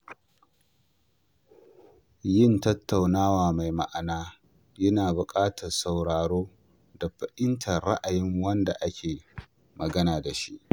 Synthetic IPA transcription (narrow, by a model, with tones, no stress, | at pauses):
jɪ˦˨ntɐ˦tːa˨wnaː˦waː˨ma˨jma̰˦˨ʔa˨naː˦ | jɐ˦naː˨bʊ˨kʼaː˦tʰɐ˨rsa˨wɽaː˨ɽoː˦ | da˨ɸɐ˨ʔɪ˦ntʰɐ˨rɽa̰˦ʔa˨jɪ˦ŋwɐ˦nda˨ʔa˦kʲʰeː˨ | mɐ˨ɡɐ˦naː˨da˨ʃi˦ʔ